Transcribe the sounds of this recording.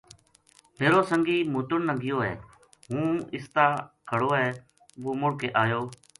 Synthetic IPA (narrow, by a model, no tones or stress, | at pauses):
meːɾoːsəŋɡiːmuːt̪ʊɳnəɡɪjoːɛ̰ː | ɦũːɪst̪aːkʰəɽoːɛː | ɡoːmʊɽkeːʔaːjoː